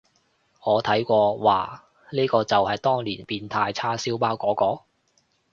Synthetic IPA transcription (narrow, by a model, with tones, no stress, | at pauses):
ŋɔː˨˧t̪ʰɐ˨˥jkʷɔː˧wa̰ː˨˩ | niː˥kɔː˧t͡sɐ˨whɐ˨jt̪ɔː˥ŋliː˨˩npiː˧nt̪ʰaː˧jt͡sʰaː˥siː˨˥wpaː˥wkɔː˨˥kɔː˧